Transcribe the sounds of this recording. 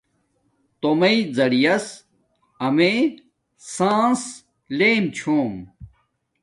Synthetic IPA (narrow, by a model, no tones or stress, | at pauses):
t̪omɐid͡zɐɽijɐs | ɐme | sãːs | leːmt͡ɕʰoːm